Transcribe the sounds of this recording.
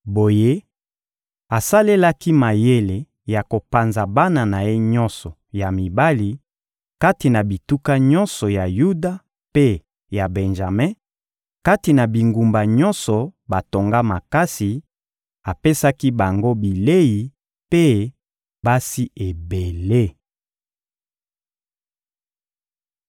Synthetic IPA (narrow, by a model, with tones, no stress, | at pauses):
bo˨je˦ | a˨sa˦le˦la˦ki˦ma˨je˦le˨ | ja˨ko˨pa˨nza˨ba˦na˨na˨je˦ɲɔ˦nsɔ˨ja˨mi˨ba˦li˨ | ka˦ti˨na˨bi˨tu˦ka˦ɲɔ̃˦nsɔ˨ja˨ju˦da˨ | pe˦ | ja˨bɛ˨nʒa˨mɛ̃˦ | ka˦ti˨na˨bi˨ŋɡu˨mba˨ɲɔ˦nsɔ˨ba˨to˨ŋɡa˦ma˨ka˦si˨ | a˨pe˦sa˦ki˦ba˨ŋɡo˦bi˨le˦ji˨ | pe˦ | ba˦si˦e˨be˨le˦